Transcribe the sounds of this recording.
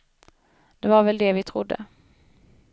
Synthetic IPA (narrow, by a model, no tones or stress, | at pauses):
d̪̥ɛvaɾvɛld̪ɛvɪt̪ʰɾʊd̪ːə̰